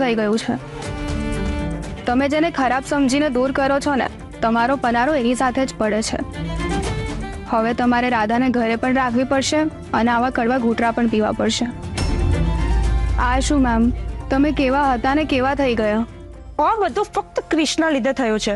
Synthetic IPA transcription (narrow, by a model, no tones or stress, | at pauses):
t̪ʰəiɡəjũt͡ʃʰe | t̪əmed͡ʒenekʰəɾabsəmd͡ʒined̪uɾkəɾot͡ʃʰonḛ | t̪əmaɾopənaɾoenisat̪ʰed͡ʒpəɽet͡ʃʰḛ | həʋet̪əmaɾeɾad̪ʱaneɡʱəɾepəɳɾakʰʋipəɽʃe | əneaʋakəɽʋaɡʱuʈɾapəɳpiʋa̰pəɽʃe | aʃũmɛmt̪əmekeʋaɦət̪anekeʋat̪ʰəiɡəjo | ãʋəd̪ʱũfək̚t̪kɾɪʃɳəlid̪ʱet̪ʰəjot͡ʃʰe